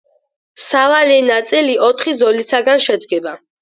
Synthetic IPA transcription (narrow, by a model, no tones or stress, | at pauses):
savalinat̪sʼiliʔɔt̪ʰχizɔlisaɡanʃɛd̪ɡɛba